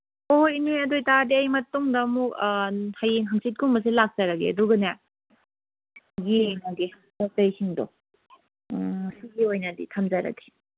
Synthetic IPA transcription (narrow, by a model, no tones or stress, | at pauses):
oinojɐdojtadiɐjmɐtːɔŋdɐmuk̚hajeŋɦaŋsit̚kuŋmɐs̬ilak̚zaɾaɡḭɐduɡɐna | ɡinaɡe | matajkʰiŋdɔ̰ | siɡiojnadḭtʰamzaɾa̰ɡi̥